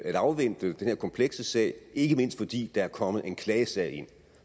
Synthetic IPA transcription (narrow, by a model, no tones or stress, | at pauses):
æɾ̥ɑ̈ʊʋen̰d̥əd̥enhe̝ɐkʰɒ̽mpʰleɡ̥səsɛ̰ɪ̰e̝ɡ̥əme̝n̰sd̥fɒ̽d̥ḭːd̥ɑ̈æɐkʰɒ̽mð̩ˠe̝nkʰlɛːəsɛ̰ɪ̰e̝n̰